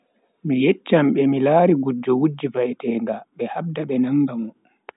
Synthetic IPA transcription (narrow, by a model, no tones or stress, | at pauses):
mijɛt͡ʃːamɓɛmilaːɾiɡud͡ʒːɔwud͡ʒːivajtɛːŋɡaɓɛhab̚daɓɛnaŋːɡamɔ